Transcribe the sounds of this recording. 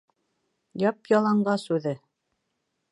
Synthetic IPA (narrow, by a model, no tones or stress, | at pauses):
jɑpjɑlˠɑɴɢɑsʉðɘ